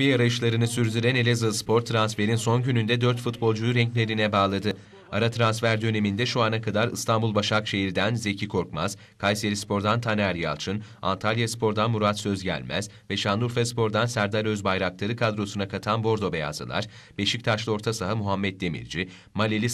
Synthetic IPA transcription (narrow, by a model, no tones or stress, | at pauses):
viejaɾajɯʃlˠaɾɯnɯsyɾzyɾɛne̞lʲezaspʰo̞ɾt̪ʰːɾansfe̞ɾinso̞nɟynynd̪ɛd̪øɾt̪fut̪bo̞lˠd͡ʒujuɾɛɲclʲe̞ɾinɛbaːlˠad̪ɯ | aɾat̪ʰɾansfæɾd̪ø̞ne̞mind̪ɛʃuanakʰad̪aɾɯst̪ʰanbulˠbaʃakʃe̞ɦiɾd̪ænze̞cʰikʰo̞ɾkmaz̥ | kʰajselʲispʰo̞ɾd̪ant̪ʰanæɾja̰lˠt͡ʃʰɯn | a̰nt̪ʰalʲjaspʰo̞ɾd̪anmuɾat̪sø̞zɟæ̰lʲmæ̰z̥ | vɛʃand̪ˠuɾfɛspʰo̞ɾd̪ansæɾd̪aɾøzbajɾaklˠaɾɯkʰad̪ɾo̞sunakʰat̪ʰanbo̞ɾd̪o̞beja̰zɯ̰lˠa̰ɾ̥ | b̥e̞ʃic̚t̪ʰat͡ʃlˠɯo̞ɾt̪ʰasaɦamuɦamːɛt̪̚d̪e̞mḭɾd͡ʒi | malʲelʲi